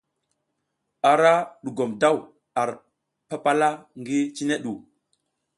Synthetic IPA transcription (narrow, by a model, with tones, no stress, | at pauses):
a˨ɾa˦ɗu˨ɡo˨mda˦˨w | a˨ɾ | pa˦pa˦la˦ŋɡi˦t͡ʃi˦ne˦ɗu˨